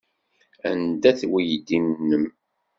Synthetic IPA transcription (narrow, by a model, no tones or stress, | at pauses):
ænd̪æθwijəd̪ːimnːəm